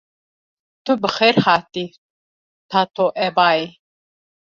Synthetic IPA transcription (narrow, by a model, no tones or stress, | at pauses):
t̪ʰubəχɛɾhat̪ʼi | t̪ʰat̪ʰɔʔɛbai